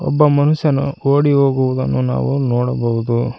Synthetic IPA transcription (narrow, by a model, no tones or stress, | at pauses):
ɔ̰bːɐmɐnuʃjɐnuoːɽiɦoːɡuʋud̪ɐnːuna̰ːʋunoːɽɐbɐɦud̪u